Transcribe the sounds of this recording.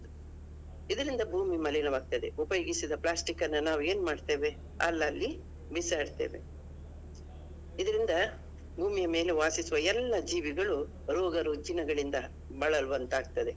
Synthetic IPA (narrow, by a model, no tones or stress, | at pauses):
id̪ɐɾind̪ɐbʱuːmimɐlinɐʋaːɡ̚t̪ɐd̪e̞upɐjoːɡisid̪ɐplaːsʈikɐnːɐnaːʋue̞ːnumaːɖt̪e̞ːʋe̞ | ɐlːɐːlːi | bisaːɖt̪e̞̰ːʋe̞̰ | id̪ɐɾind̪ɐ | bʱuːmijɐme̞ːle̞ʋaːsisuʋɐɛlːɐd͡ʒiːʋiɡɐɭu | ɾɔːɡɐɾud͡ʒinɐɡɐɭind̪ɐ | bɐɭɐluʋɐnt̪aːɡ̚t̪ɐd̪e̞